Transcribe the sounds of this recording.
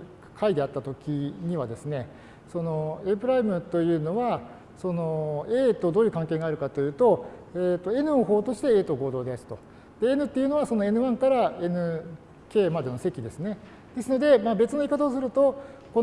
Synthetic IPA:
kʰaid̪e̞at̪ːat̪o̞kʲiɲ̟iβad̪e̞sɨne̞ | so̞no̞e̞pɯ̟ɾaimɯ̟t̪o̞jɯ̟ːno̞βa | so̞no̞e̞ːt̪o̞d̪oːjɯ̟kãŋke̞ːɡaːɾɯ̟kat̪o̞jɯ̟ːt̪o̞eːt̪ːo̞e̞nɯ̟oɦo̞ːt̪o̞ɕi̥t̪e̞eːt̪o̞ɡo̞ːd̪o̞ːd̪e̞asi̥t̪o̞̰ | d̪̥e̞enɯ̟t̪ːe̞jiɯ̟no̞β̞aso̞no̞e̞nɯ̟βãŋkaɾae̞nɯ̟ | ke̞ːmad̪e̞no̞se̞kʲid̪e̞sɨne̞ | d̪̥e̞sɨno̞d̪e̞mabe̞t͡sɨno̞ikat̪aosɨɾɯ̟t̪o̞ko

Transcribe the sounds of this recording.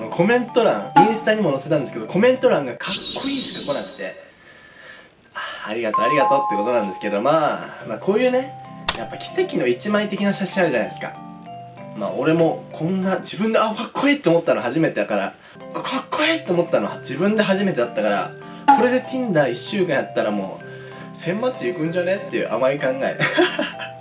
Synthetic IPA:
nokʰo̞mẽ̞nt̪o̞ɾãŋĩɰsɨ̥t̪aɲ̟imo̞nose̞t̪ãnd̪esɨ̥ked̪okʰo̞mẽ̞nt̪o̞ɾãŋɡakʰakːo̞iːnd̪esɨ̥kako̞nakɯ̥t̪e̞̰ | ḁːɾʲiɡat̪oaɾʲiɡat̪o̞ːt̪ːeko̞t̪o̞nãnd̪eɨ̥ke̞o̞maːmaːkʰo̞ːjɯ̟ːne̞japːakʲi̥se̞kʲino̞it͡ɕimait̪e̞kʲinaɕaɕĩaɾɯ̟ʑanaj̪esɨ̥ka̰ | ma̰ːo̞ɾe̞mo̞kʰõ̞nːad͡ʑibɯ̟̃nd̪e̞akakːoiːt̪ːeomo̞t̪ːanoɦaʑime̞t̪e̞d̪akaɾa̰ | kʰakʰːoit̪ːoomo̞t̪ːanod͡ʑibɯ̟̃nd̪e̞ɦaʑime̞t̪e̞d̪at̪ːakaɾa̰ | ko̞ɾe̞d̪e̞t̪ʲʰĩnd̪aiɕːɨːkãɰ̃jat̪ːaɾamo̞̰ː | sẽ̞mmat̪ːeikɯ̟̃ɲ̟d͡ʑanet̪ːe̞jɯ̟̰ːʔamaikãŋɡaḛ

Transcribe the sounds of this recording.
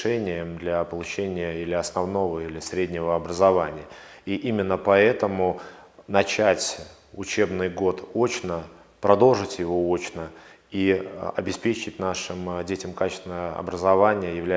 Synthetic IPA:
ʂɛnʲɪjəmd̪lʲapəlˠʊt͡ɕenʲɪjəilʲɪɐsnɐvno̞vəilʲɪsɾʲedʲnʲɪvəɐbɾəzɐvanʲɪjə | iʔimʲɪnːəpɐɛt̪əmʊnɐt͡ɕætʲ | ʊt͡ɕe̞bnɨjɡo̞t̪ot͡ɕnə | pɾɐd̪o̞lˠʐɨtʲjɪvo̞o̞t͡ɕnə | iɐ̰bʲɪspʲet͡ɕɪt̚ʲnaʂɨmdʲetʲɪmkat͡ɕɪ̥st̪vʲɪnəjəəɐ̰bɾəzɐvanʲɪjəjɪvlʲæ

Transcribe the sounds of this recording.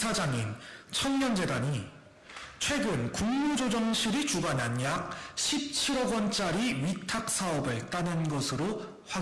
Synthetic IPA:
ad͡ʑaŋint͡ɕʰʌŋɲʌnd͡ʑe̞daɲi | t͡ɕʰwe̞ɡɯnkuŋmːud͡ʑod͡ʑʌŋɕʰiɾit͡ɕuɡananjak̚ɕʰip̚t͡ɕʰiɾʌɡwʌnt͡ɕ͈aɾiɥitʰak̚s͈aʌbɯɭt͈anɯnɡʌsʰɯɾo | ɸwa

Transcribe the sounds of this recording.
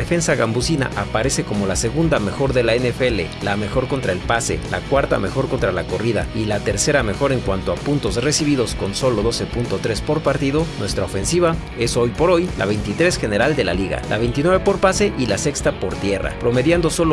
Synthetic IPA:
efe̞nsaɣambusina̰ʔapaɾe̞se̞ko̞mo̞lase̞ɣund̪ame̞xo̞ɾðe̞laenefelelame̞xo̞ɾko̞nt̪ɾae̞lpase̞̰la̰kwaɾt̪a̰me̞xo̞ɾko̞nt̪ɾalako̞riða̰ilat̪e̞ɾse̞ɾame̞xo̞ɾe̞ŋkwant̪o̞apunt̪o̞sre̞siβ̞iðo̞sko̞nso̞lo̞ðo̞se̞punt̪o̞t̪ɾe̞spo̞ɾpaɾt̪iðo̞nwe̞st̪ɾaofe̞nsiβa | e̞so̞jpo̞ɾo̞jla̰βe̞jnt̪it̪ɾe̞sxe̞ne̞ɾald̪e̞la̰liɣa̰lʔa̰βe̞jnt̪inwe̞βepo̞ɾpase̞ʔilase̞kst̪apo̞ɾt̪je̞ra̰pɾo̞me̞ðjand̪o̞so̞lo

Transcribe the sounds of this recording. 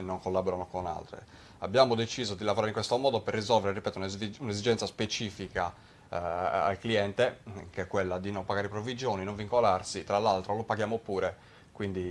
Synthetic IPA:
nːoŋkolːabɔɾanokona̰lt̪ɾḛ | abːjaːmod̪et͡ʃiːzod̪ilavoɾaːɾeiŋkwest̪omɔːd̪operːizɔlveɾeripɛːt̪oununezid͡ʒɛnt̪saspet͡ʃiːfika | a̰lkliɛnt̪ekeɛkːwelːad̪inompaɣaːɾepɾovid͡ʒjoːninõɱviŋkolarsit̪ɾalːalt̪ɾolopaɡjaːmopuːɾe | kwind̪i

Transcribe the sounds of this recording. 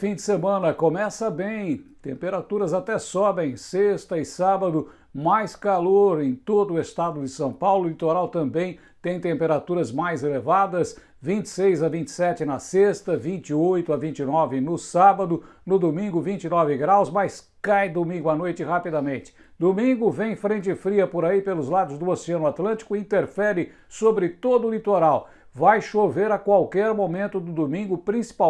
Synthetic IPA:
fĩd͡ʒ̪ɪsemɐ̃nɐkõmɛsɐbẽj̃t̪ẽmpeɾat̪uɾɐzat̪ɛsɔbẽj̃sest̪ɐɪsabɐd̪ʊ | majskaloɾẽj̃t̪od̪ʊʊest̪ad̪ʊd͡ʒɪsɐ̃w̃pawlʊlit̪oɾawt̪ɐ̃mbẽj̃ | t̪ẽj̃t̪ẽmpeɾat̪uɾɐzmajzelevad̪ɐs | vĩnt͡ʃɪ̥sejzɐvĩnt͡ʃɪ̥sɛt͡ʃɪnɐsest̪ɐvĩnt͡ʃɪojt̪ʊɐvĩnt͡ʃɪnɔvɪnʊsabɐd̪ʊ | nʊd̪omĩŋɡʊvĩt͡ʃɪnɔvɪɡɾawzmajs | kajd̪omĩŋɡʊanojt͡ʃɪhapid̪amẽnt͡ʃɪ̥ | d̪omĩŋɡʊvẽj̃fɾẽnt͡ʃɪfɾiɐpoɾaipelʊzlad̪ʊzd̪ʊoseɐ̃nʊat̪lɐ̃t͡ʃɪ̥kʊĩnt̪eɾfɛɾɪ | sobɾɪt̪od̪ʊːlit̪oɾaw | vajʃoveɾɐkwawkɛɾmomẽnt̪ʊd̪ʊd̪omĩŋɡʊpɾĩsi̥pa

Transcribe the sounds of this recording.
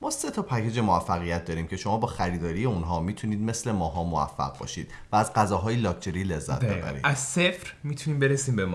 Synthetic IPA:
mɒːse̞t̪ʰɒpʰæcʰe̞d͡ʒe̞moæfːæɣijæt̪̚ʰd̪ɒːɾiːmcʰe̞ʃo̞mɒːbɒːxæɾiːd̪ɒːɾijeunɦɒːmiːt̪ʰuniːd̪̚me̞sle̞mɒːɦɒːmovæ̰fːæ̰ʁ̚bɒ̰ːʃiːd̪̥væːzɢæzɒːɦɒːjelɒːk̚t̪ʰe̞ɾiːle̞zːæ̰t̪bebæ̰ɾḭd̪æzsefɾmit̪ʰuniːmbeɾesiːmbem

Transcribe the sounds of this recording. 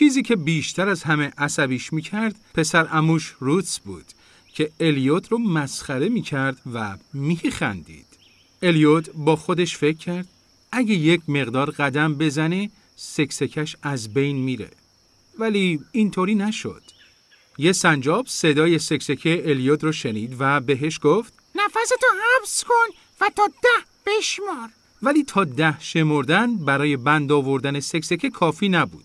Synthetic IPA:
t͡ʃʰiːziːcʰe̞biːʃt̪ʰæɾæzhæmeʔæsæbiːʃmiːcʰæɾd̪̥pʰe̞sæɾʔæmuʃɾut̪sbṵːd̪̥ | cʰe̞elijot̪ʰromæsxæɾe̞miːcʰæɾd̪væmixæ̰nd̪ḭːd̪̥ | e̞lijot̪ʰbɒːxo̞d̪e̞ʃfe̞cʰːæɾd̪̥̚ | æɟeje̞cʰme̞ɣd̪ɒːɾɢæd̪æmbe̞zæne | se̞kse̞cʰæʃæzbe̞jnmiːɾe̞̰ | væliːnt̪ʰoːɾiːnæʃo̰d̪̥ | je̞sænd͡ʒɒːb̥se̞d̪ɒːje̞se̞ksecʰeːlijot̪ɾɒʃe̞niːd̪væbe̞ɦeʃɡ̥oft̪ | næfæset̪ohæbskon | væt̪ɒːd̪æh | b̥eʃmɒɾ | væliːt̪ʰɒːd̪æhʃe̞moɾd̪ænbæɾɒːje̞bænd̪ɒːvo̞ɾd̪æne̞se̞kse̞cʰekʰɒːfiːnæbṵːd̥̪

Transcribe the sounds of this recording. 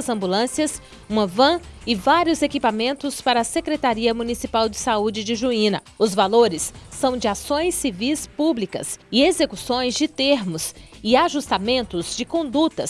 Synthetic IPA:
ɐzɐ̃mbulɐ̃siɐs | ũmɐvɐ̃ɪvaɾiʊzekipamẽnt̪ʊspaɾɐːsekɾet̪aɾiɐmunisipawd͡ʒɪsaud͡ʒɪd͡ʒɪʒuĩnɐ | ʊzvaloɾɪsːɐ̃w̃d͡ʒɪasõj̃sːivispublikɐ̰sɪezekusõj̃zd͡ʒɪt̪eɾmʊsɪaʒust̪amẽnt̪ʊzd͡ʒɪkõnd̪ut̪ɐs

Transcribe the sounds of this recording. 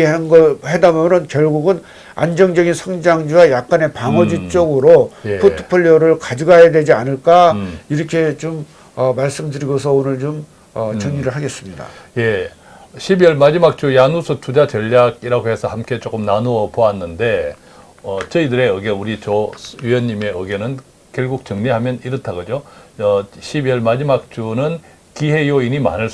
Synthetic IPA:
hanɡʌhedamjʌnɯnkjʌɭɡuɡɯn | a̰nd͡ʑʌŋd͡ʑʌɡinsʰʌŋd͡ʑaŋd͡ʑuwajak̚k͈ane̞paŋʌd͡ʑut͡ɕ͈ʌɡɯɾojpʰoɯ̥pʰoʎːoɾɯɭkad͡ʑɯɡajadwe̞d͡ʑianɯɭk͈aiɾʌkʰe̞t͡ɕom | ʌmaɭs͈ɯmdɯɾiɡosʰʌonɯɭt͡ɕom | ʌt͡ɕʌŋɲiɾɯɭɦaɡe̞s͈ɯmɲida̰je̞ | ɕʰibjʌɭmad͡ʑimak̚t͡ɕ͈ujanusʰotʰud͡ʑat͡ɕʌʎːaɡiɾaɡoɦe̞sʰʌhamk͈e̞t͡ɕ͈ok͈ɯmnanuʌpoanːɯnde̞ | ʌt͡ɕʌidɯɾe̞ɯɡeuɾit͡ɕʌɥijʌnːime̞ɯɡenɯn | kjʌɭɡuk̚t͡ɕʌŋɲiɦamjʌniɾɯtʰaɡʌd͡ʑoʌɕʰibiʌɭmad͡ʑimak̚t͡ɕ͈unɯn | kiɦe̞joinima̰nɯɭ

